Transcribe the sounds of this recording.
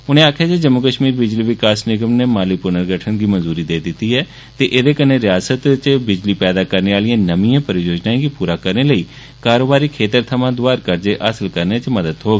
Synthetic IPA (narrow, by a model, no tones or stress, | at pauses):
ʊnẽːaːkʰjaːd͡ʒed͡ʒəmːʊkəʃmiːɾbɪd͡ʒliːʋɪkaːsnɪɡəmneːmaːliːpʊnəɾɡəʈʰənɡiːmənzuːɾiːd̪eːd̪ɪt̪ːiːɦɛː | t̪eːʔed̪eːkənːeːɾɪjaːsət̪t͡ʃbɪd͡ʒliːpɛːd̪aːkəɾneːaːlijãːnəmijãːpəɾijoːd͡ʒnãːɡiːpuːɾaːkəɾneːləiː | kaːɾoːbaːɾiːkʰeːt̪əɾt̪ʰəmãːd̪ʊaːɾkəɾd͡ʒeːʔəsəlkəɾneːt͡ʃməd̪əd̪ɦoːɡ